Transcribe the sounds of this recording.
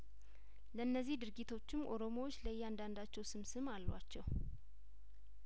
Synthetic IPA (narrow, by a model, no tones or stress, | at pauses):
ləɨnːəzːihd̪ɨɾɡit̪ʰo̞t͡ʃːɪmʔo̞ɾo̞mowot͡ʃːləjːɛand̪and̪at͡ʃːɛwsɨmsɨmalːwat͡ʃːɛw